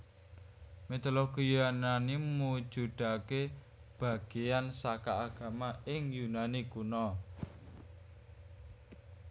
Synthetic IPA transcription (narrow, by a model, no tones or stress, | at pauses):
met̪ɔloɡ̥ijananimmmu̥d͡ʒ̥ṳɖ̪̥ake | b̥a̤ɡ̥eansakaːɡ̥a̤maɪŋjunanikunɔ